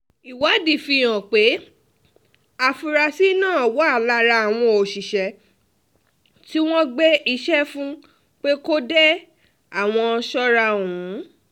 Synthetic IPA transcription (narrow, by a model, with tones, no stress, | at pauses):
i˨wa˨˦di˨fi˧˨j̃ã˨k͡pe˨˦ | a˨fu˧ɾa˧si˦nãː˦˨wɔ˨˦a˦˨la˧ɾa˧a˨w̃ɔ̃˧o˨ʃi˨ʃɛ˨˦ | ti˦w̃ɔ̃˦ɡ͡be˦i˧˦ʃɛ˦fũ˦ | k͡pe˦ko˦dɛ˦ | a˨w̃ɔ̃˧ʃɔ˦ɾa˧˨ũ˨˦